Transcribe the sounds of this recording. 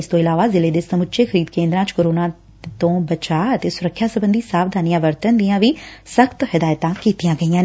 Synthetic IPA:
ɪst̪õːɪlaːʋazɪled̪eːsəmʊʃʰexəɾiːd̪kẽːnd̪ɾãːt͡ʃkoːɾoːna | t̪õːbət͡ʃaːət̪eːsʊɾəkʰːjasəbə̃nd̪isaːbd̪ʱaːnijãːʋəɾt̪ənd̪ijãːʋiːsəkt̪hɪd̪aːjt̪ãːkiːt̪ijãːɡəijã

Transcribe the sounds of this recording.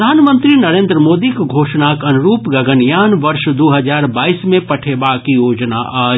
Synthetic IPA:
aːnmə̃nt̪ɾinɐɾẽːnd̪ɾəmoːd̪ikɡʱoːʃnaːkɐnʊɾuːpɡɐɡənjaːnʋɐɾʃd̪oːɦɐd͡ʒaːɾbaːiːsmẽpɐʈʰeːbaːkijoːd͡ʒna̰ʔaː

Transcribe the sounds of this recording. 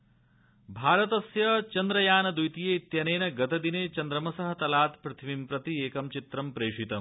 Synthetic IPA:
bʱaːɾɐt̪ɐsjɐt͡ʃɐnd̪ɾɐjaːnɐd̪ujt̪ijeːt̪jɐneːnɐɡɐt̪ɐd̪ineːt͡ʃɐnd̪ɾɐmɐsɐɦɐ̆t̪ɐlaːt̪pɾɐt̪ʰɐmimpɾɐt̪ieːkɐmt͡ʃit̪ɾɐmpɾeːʂit̪ɐm

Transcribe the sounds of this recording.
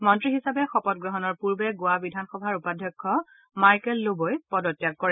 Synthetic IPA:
mɔntɹiɦisapɛxɔpɔtɡɹɔɦɔnɔɹpuɹbɛɡʊabidʱanxɔbʱaɹupadʱɔkʰːɔ | majkɛlːobojpɔdɔtjak̚kɔɹɛ

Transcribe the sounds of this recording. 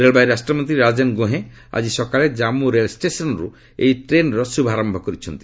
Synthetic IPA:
ɾelbajɾasʈɾɔmɔnt̪ɾiɾad͡ʒenɡoɦẽ | a̰d͡ʑisɔkaled͡ʒamuɾelsʈesɔnɾu | ḛjʈɾenɾɔsubʱaɾɔmbʱɔkɔɾit͡ʃʰɔnt̪i̥

